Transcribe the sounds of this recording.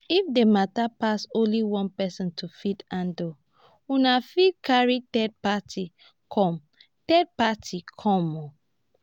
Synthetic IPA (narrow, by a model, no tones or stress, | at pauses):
ifdematapasõnliwɔ̃npɛsɔ̃ntʰufidãndo | unafid̚kʰaɹitɛd̚patʰi | kʰɔ̃m | tɛd̚patʰikʰɔ̃mɔ